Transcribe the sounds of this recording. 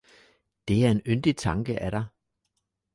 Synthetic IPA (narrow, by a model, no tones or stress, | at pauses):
d̥e̝æɐe̝nønd̥it͡sʰɑ̈ŋɡ̥əʔæɾ̥ɑ̈ɪ